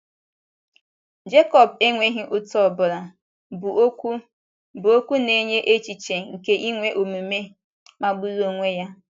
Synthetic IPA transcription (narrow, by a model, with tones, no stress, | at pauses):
d͡ʒe˦kɔ˨be˦ŋʷe˦ɦi˦ʔʊ˦tɔ˦˨bʊ˨ɾa˨ | b | bʊ˨o˦kʷu˦ne˦ɲe˦ʔe˦t͡ʃi˨t͡ʃe˨ŋ̩˨ke˦ʔi˦ŋʷe˦ʔo˨mu˨me˦ | ma˦ɡ͡bu˦zo˦ŋʷe˦ja˦